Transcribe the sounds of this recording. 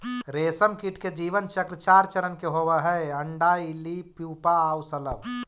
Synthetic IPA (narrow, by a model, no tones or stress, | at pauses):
ɾeːsəmkiʈked͡ʒiːʋənt͡ʃəkɾt͡ʃaːɾt͡ʃəɾənkeɦoʋəɦɛəɳɖailipjuːpaaːwsɐləb